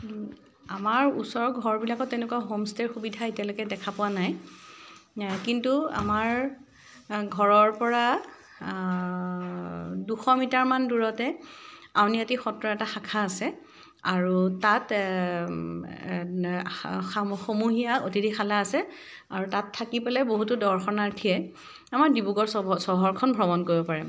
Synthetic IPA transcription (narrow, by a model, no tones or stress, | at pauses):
amaɹusɔɹɡʱɔɹbilakɔtːɛʊ̃nɛkwaɦomsteɹxubidʱaetjalɔjkɛdɛkʰapʊwanaj | kintua̰maɹ | ɡʱɔɹɔɹpɔɹa | duxɔmitaɹmanduɹɔtɛawniatixɔtɹɔɛtaxakʰaːsɛ | aɹutat | xomuɦijaotidixalaːsɛ | aɹutatʰːakipɛlɛboɦutudɔɹxɔnaɹtʰijɛ | amaɹdibuɡɔɹsɔɦɔɹkʰɔnbʱɹɔmɔnkoɹibɔpaɹɛ